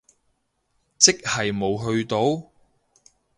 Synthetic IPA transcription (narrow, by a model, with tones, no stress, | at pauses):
t͡sɪ˥k̚hɐ˨jmo˨wɦɵ˧ɥt̪o˨˥w